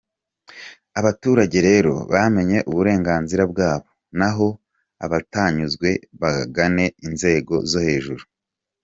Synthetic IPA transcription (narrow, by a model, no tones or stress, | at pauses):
aβatuːɾaɟe̞ɾe̞ɾo̞̰βame̞ɲe̞ʔuβuɾe̞ːŋɡaːnziɾabɡaːβo̞ | naɦo̞ | a̰βataːɲuzɡwe̞βaɡane̞inze̞ːɡo̞̰zo̞he̞ːʒuɾu